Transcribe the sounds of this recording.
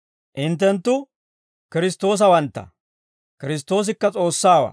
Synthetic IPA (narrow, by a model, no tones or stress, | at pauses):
ʔɪnt̪̬ːɛnt̪ːʊ | kɪɾɪs̬t̪ːo̞ːs̬ɐwɐnt̪ːɐ̰ | kɪɾɪs̬t̪ːo̞ːs̬ɪkːɐt͡sʼo̞ːsːaːwɐ̰